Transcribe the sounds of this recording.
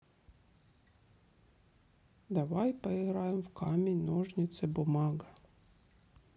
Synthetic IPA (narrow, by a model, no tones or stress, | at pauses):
d̪avajpɐɪɣɾajɪmfkamʲɪnʲnoʐnʲɪt̪sɨbʊmɑɡɐ